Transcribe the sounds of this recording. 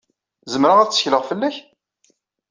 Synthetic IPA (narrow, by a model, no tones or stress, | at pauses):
zəmɾaʁæt͡sːə̥çləʁfəlːæç